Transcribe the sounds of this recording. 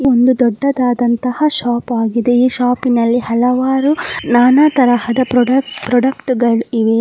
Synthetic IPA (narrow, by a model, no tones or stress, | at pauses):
iond̪ud̪ɔɖːɐd̪aːd̪ɐnt̪ɐhɐʃaːpaːɡid̪e̞iːʃaːpinɐlːihɐlɐʋaːɾunaːnaːt̪ɐɾɐhɐd̪ɐpɾɔɖɐpɾɔɖɐkʈɡɐɭiʋe